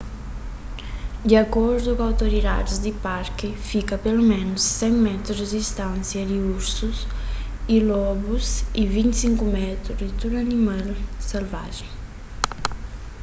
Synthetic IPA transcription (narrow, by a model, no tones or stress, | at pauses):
d̪iakɔɾd̪ukawt̪oɾid̪a̰ɾizd̪ipaɾkɪfikapelumɛnusːɛŋmɛt̪ɾuzd̪ist̪ãnsjad̪iuɾsus | ilɔbusivint̪siŋkumɛt̪ɾud̪it̪uɾanimalselva̰ʒeŋ